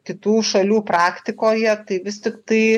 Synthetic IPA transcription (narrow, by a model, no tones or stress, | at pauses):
kʲɪt̪uːʃɐlʲuːpɾɑːkt̪ʲɪkoːjɛt̪ɐɪʋʲɪst̪ʲɪkt̪ɐɪ